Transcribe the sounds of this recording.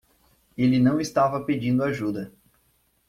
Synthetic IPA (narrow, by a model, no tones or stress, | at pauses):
elɪnɐ̃w̃ɪst̪avɐped͡ʒĩnd̪ʊaʒud̪ɐ